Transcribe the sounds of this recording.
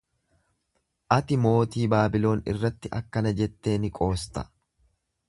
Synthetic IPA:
ʔɐt̪ɪmo̞ːt̪iːbaːbɪlo̞ːnɪ̰rːɐt̪ːɪʔɐ̰kːɐnɐd͡ʒɛt̪ːe̞ːnɪkʼo̞ːst̪ɐ̥

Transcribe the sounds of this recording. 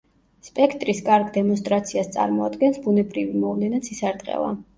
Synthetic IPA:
spʼɛkʰt̪ʼɾiskʼaɾɡd̪ɛmɔns̬t̪ʼɾat̪sʰiast̪sʼa̰ɾmɔad̪ɡɛnsbunɛbɾivimɔvlɛnat̪sʰisaɾt̪ʼqʼɛ̰la̰

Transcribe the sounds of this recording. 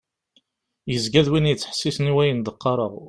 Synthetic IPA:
jəzɡæðwinjət͡sːħə̥sːisniwæjənd̪əqːɑɾˤəʁ

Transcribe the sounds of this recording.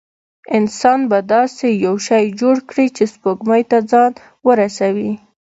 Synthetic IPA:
ɪnsɑnbad̪ɑsejawʃɑjd͡ʒoɽkɽit͡ʃespoɡmajt̪ad͡zɑn | wəɾasawi

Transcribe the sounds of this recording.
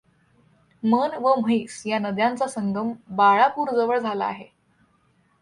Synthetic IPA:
mənʋəm̤əisjanəd̪jant͡sasəŋɡ̪ʱəmbaɭapuːɾd͡zəʋəɭd͡zʱala̰ːɦe

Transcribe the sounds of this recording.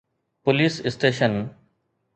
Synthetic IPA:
pʊliːsɪsʈeːʃən

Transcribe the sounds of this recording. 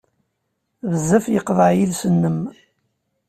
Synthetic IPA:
vəzːæfjəqðˤəʕjilsənːəm

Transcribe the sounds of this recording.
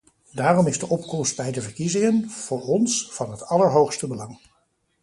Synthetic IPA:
daːrɔmɪzdəʔɔpkɔmsd̚bɛjdəvəɹkizɪŋənv̥ʊːɹɔnsv̥ɑnɦətɑləɹɦowχstəbəlɑŋ

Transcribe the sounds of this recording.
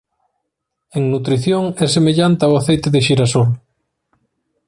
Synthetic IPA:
eŋnut̪ɾiθjoŋɛsemeʎant̪ɪawaθejt̪eðɪʃiɾasol

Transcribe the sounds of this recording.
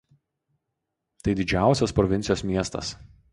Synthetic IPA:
t̪ɐɪd̪ʲɪd͡ʒʲæˑʊsʲɛspɾɔʋʲɪnʲsʲjoːsmʲiɛst̪ɐ̰s

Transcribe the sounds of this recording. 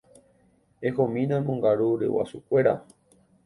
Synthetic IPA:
ehõmĩnãmõŋɡaɾuɾḛwa̰sukʷe̞ɾa̰

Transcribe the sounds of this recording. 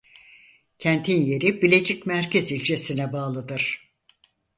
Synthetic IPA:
cʰænt̪ʰinje̞ɾibilʲed͡ʒicmæɾcezilʲd͡ʒʰesinɛbaːlˠɯd̪ɯɾ̥

